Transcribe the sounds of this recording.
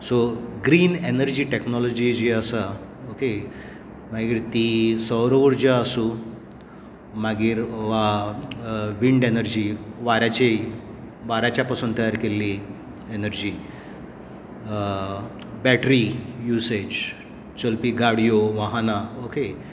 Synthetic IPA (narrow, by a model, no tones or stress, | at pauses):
soɡɾiːnenəɾd͡ʑiːʈeknɔlɔd͡ʑid͡ʑiəsa | oke | maɡiːɾt̪isəwɾoʋəɾd͡ʑaəsu | maɡiːɾʋa | ʋiɳɖenəɾd͡ʑiːʋaɾat͡ɕe | ʋaɾat͡ɕjapasuːnt̪əjaɾkelːi | enəɾd͡ʑiː | bɛʈɾijused͡ʑ | t͡ɕəlpiːɡaɽijoʋaɦanaoke